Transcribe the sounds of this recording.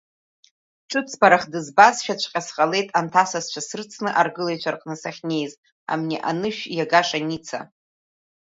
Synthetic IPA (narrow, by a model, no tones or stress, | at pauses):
ʈ͡ʂʷʰʼɨpʰt͡spʰaɾaχdɨzbasʃᶣat͡ʃʷʰqʲʼasqʼale̞jtʼantʰasast͡ʃʷʰasɨrt͡sʰnɨʔarɡɨlejt͡ʃʷʰarqʼnɨsaχʲne̞jz | a̰mniʔa̰nɨʃᶣjaɡaʂʼanit͡sʰa̰